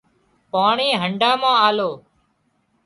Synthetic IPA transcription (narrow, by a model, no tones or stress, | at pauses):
paːɳiːɦəɳɖãːmãːaːloː